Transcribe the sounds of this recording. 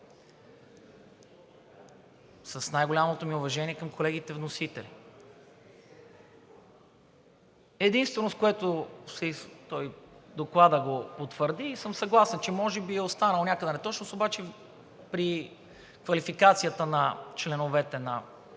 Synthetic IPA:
sɐsnajɡolʲamot̪omiʊvɐʒɛnʲiɛkɐmkʰolɛɡ̟it̪ɛvnosit̪ɛlḭ | ɛd̪inst̪vɛnoskoɛt̪osɛt̪ɔjd̪oklˠad̪əɡopot̪vəɾd̪iːsɤmsɐɡlˠasɛnt͡ʃɛmɔʒɛbiɛost̪anəlˠonʲakəd̪ɛnɛt̪ɔt͡ʃnosobat͡ʃɛ | pɾi | kvɐlifikat̪sijət̪ənɐt͡ʃlɛnovɛt̪ɛnɐ

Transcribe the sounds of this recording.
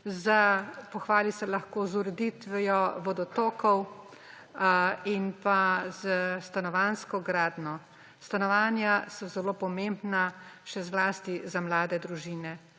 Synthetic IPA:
zapɔxʋaːlisɛlaxkoːzuɾɛd̪it̪ʋɛjɔʋɔd̪ɔt̪oːkɔw | inpaz̥əst̪anɔʋaːnskɔɡɾaːd̪nɔ | st̪anɔʋaːnjasɔzɛloːpɔmembnaʃɛzlaːst̪izamlaːd̪ɛd̪ɾuʒiːnɛ

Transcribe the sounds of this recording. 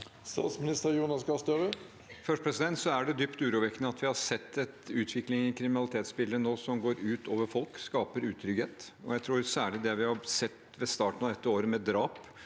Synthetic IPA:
st̪ɑ̰ːt̪smɪnɪst̪əɾjuːnɑsɡɑst̪øːʋə | fœʂʈpʰɾɛsɪd̪ɛnt̪sɔæɖɛd̪ʏpt̪ʉːɾuːʋɛkːənəɑt̪ʋɪhɑsɛt̪ːɛt̪ʉːt̪ʰʋɪklɪŋɪkʰɾɪmɪnɑlɪt̪ʰeːt̪spɪlɾənoːsɔmɡoːɾʉːt̪ʰoːʋəɾfɔlkskɑːpəɾʉːt̪ʰɾʏɡheːt̪ɔ̰jæɪt̪ʰɾuːɾsæːɭɪd̪ɛʋɪhɑsɛt̪ː | ʋɛst̪ɑːʈən̩ɑʋd̪ɛt̪ːəoːɾəmɛd̪ɾɑːp

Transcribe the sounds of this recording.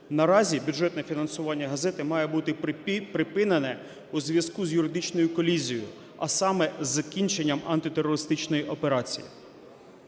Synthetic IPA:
nɐɾɑzʲibʲuʐɛt̪nɛfʲinɐnsʊʋɑnʲːɐɦɐzɛt̪ɪmɑjɛbut̪ɪpɾɪpɪnenɛ | uzʲʋʲjɐskuzʲjʊɾɪd̪ɪt͡ʃnɔjʊkɔlʲizʲijojʊ̰ | ɐ̰sɑmɛzɐkʲinʲt͡ʃenʲːɐmɐnt̪ɪt̪erːɔɾɪst̪ɪt͡ʃnɔjiʔɔpe̞ɾɑt͡sʲḭjḭ

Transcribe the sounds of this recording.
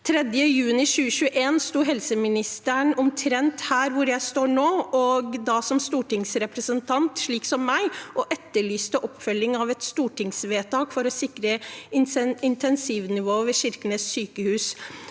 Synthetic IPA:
t̪ʰɾɛd̪jəjʉːnɪɕʉːəɕʉːəʔeːnst̪uːɦɛlsəmɪnɪst̪əɳɔmt̪ʰɾɛnt̪hæːɾʋʊɾjæɪst̪oːɳoːɔɡd̪ɑsɔmst̪uːʈɪŋsɾɛpɾəsənt̪ʰɑnt̪ʂɭiːksɔmːæɪʔɔʔɛt̪ːəɭyːst̪əʔɔpːfœlːɪŋɑʋɛt̪st̪uːʈʰɪŋsʋeːt̪ɑːkfɔɾɔsɪkɾəɪɪnt̪ʰɛnsiʋnɪʋoːʋɛɕɪɾknəssyːkəhʉːs

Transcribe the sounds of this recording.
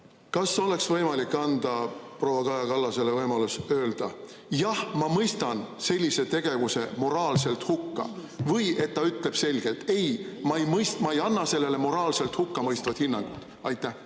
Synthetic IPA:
kɑso̞le̞ksvɤjmɑlikːɑnd̪̥ɑpro̞ːwɑkɑjɑkɑlːɑse̞levɤjmɑlusø̞ːld̪̥ɑ | jɑhmɑmɤjst̪ɑnse̞lʲːise̞t̪e̞ɡ̥e̞vuse̞mo̞ɾɑːlse̞lt̪hukːɑ̰vɤje̞t̪̚ːɑyt̪le̞b̥se̞lʲɡ̥e̞lt̪e̞jmɑejmɤjst̪mɑejɑnːɑse̞lːe̞le̞mo̞ɾɑːlse̞lt̪hukːɑmɤjst̪vɑd̪̥hinːɑŋɡ̥ṵt̪ː | ɑjt̪ːˑæh

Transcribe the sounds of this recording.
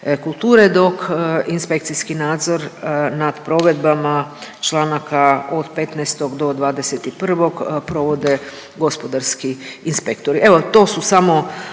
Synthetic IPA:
kulˠt̪uːɾed̪o̞kinspe̞k̚t̪siskinaːd̪zo̞ɾnad̪̥pɾo̞ʋe̞d̪bamat͡ʃlˠaːnakaod̪pe̞t̪nɛst̪o̞ɡd̪o̞d̪ʋaːd̪eset̪ipr̩ʋo̞ɡpɾo̞ʋo̞d̪e̞ | ɡo̞spod̪aɾskiinspekt̪oɾie̞ʋo̞t̪o̞ːsusamo̞

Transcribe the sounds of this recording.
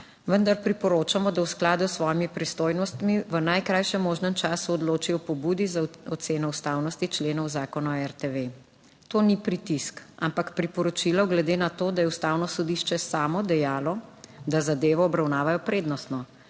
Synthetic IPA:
ʋənd̪aɾpɾipɔɾoːt͡ʃamɔd̪awsklaːd̪usʋɔjimipɾist̪oːjnɔst̪miʋənajkɾaːjʃɛmːoːʒnəmt͡ʃaːsuɔd̪loːt͡ʃiɔpɔbuːd̪izaɔt̪seːnɔust̪awnɔst̪it͡ʃleːnɔwzaːkɔnɔɛɾt̪eʋe | t̪oːnipɾit̪iska̰mpakpɾipɔɾɔt͡ʃilɔwɡlɛd̪eːnat̪oːd̪ajɛust̪awnɔsɔd̪iʃt͡ʃɛsaːmɔd̪ɛjaːlɔd̪azad̪eːʋɔːbɾawnaːʋajɔpɾeːd̪nɔst̪nɔ

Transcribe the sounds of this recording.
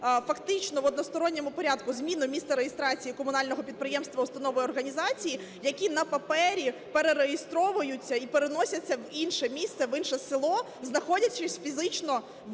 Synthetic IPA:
fɐkt̪ɪt͡ʃnɔʋɔd̪nɔst̪ɔɾɔnʲːemʊpɔɾʲad̪kʊzmʲinʊmʲist̪ɐɾejest̪ɾɑt͡sʲijikɔmʊnɑlʲnɔɦɔpʲid̪̚pɾɪjɛmst̪ʋɐʊst̪ɐnɔʋɔjɔrɦɐnʲizɑt͡sʲiji | jɐkʲinɐpɐpɛɾʲipeɾeɾejɪst̪ɾɔʋʊjʊt͡sʲːɐipeɾenɔsʲɐt͡sʲːɐʋinʃɛmʲist̪sɛʋɪnʃɛsɪlˠɔ | znɐxɔdʲɐt͡ʃːɪsʲfʲizɪt͡ʃnɔ

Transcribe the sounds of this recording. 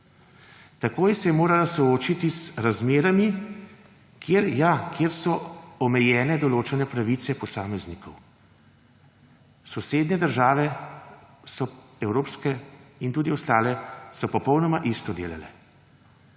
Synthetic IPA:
t̪akoːjsɛjɛmoːɾalasɔoːt͡ʃit̪isɾazmeːɾami | kʰjeːɾjakʰjeːɾsɔɔmɛjɛːnɛd̪ɔloːt͡ʃɛnɛpɾaʋiːt̪sɛpɔsaːmɛznikʰɔw | sɔseːd̪nɛd̪əɾʒaːʋɛ | sɔɛwɾoːpskɛint̪uːd̪iɔst̪aːlɛsɔpɔpɔwnɔmaʔist̪ɔd̪ḛːla̰lɛ̰

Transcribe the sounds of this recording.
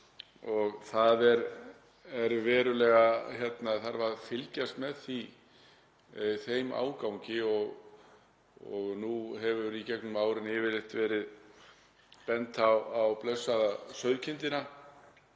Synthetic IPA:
ɔɣθaðɛɾ | ɛɾvɛːɾʏlɛɣaçɛt̪naθaɾvaðfɪlcast̪mɛðθi | θejmʔa̰ːwkawɲcɪɔɣ | ɔ̰ɣnuɦɛvʏɾicɛknʏmaːwɾɪnɪːvɪlɪht̪vɛːɾɪð | pɛnt̪awawplœsːaðasœɥðcʰɪnt̪ɪna

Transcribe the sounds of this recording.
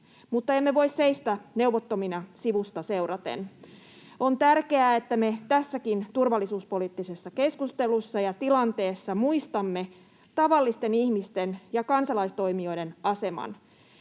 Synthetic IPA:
mut̪ːɑe̞mːeʋo̞isse̞ist̪æne̞wʋot̪ːominɑsiʋust̪ɑse̞uɾɑt̪ḛn | o̞nt̪ærke̞æet̪ːæmet̪æsːækint̪urʋɑlːisuːspo̞liːt̪ːisesːɑke̞skust̪e̞lusːɑjɑt̪ilɑnt̪e̞ːsːɑmuist̪ɑmːe̞ | t̪ɑʋɑlːist̪e̞nihmist̪enjɑkɑnsɑlɑist̪o̞jmio̞jde̞nɑse̞mɑ̰n

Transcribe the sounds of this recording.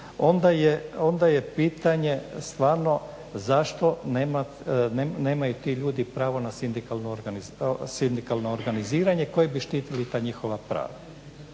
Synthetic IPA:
o̞nd̪ajeo̞nd̪aje̞piːt̪aɲe̞st̪ʋaːɾno̞ | zaʃt̪o̞neːma | neneːmajut̪iʎuːd̪ipɾaːʋo̞nasind̪ikalnoɾɡanizsind̪ikalˠnoːɾɡaniziːɾaɲeko̞jebiʃt̪iːt̪ilit̪aːɲixoʋapɾa̰ːʋa

